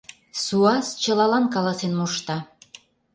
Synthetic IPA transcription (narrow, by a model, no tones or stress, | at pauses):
suɑst͡ɕə̆lɑlɑnkɑlɑsenmuʃt̪ɑ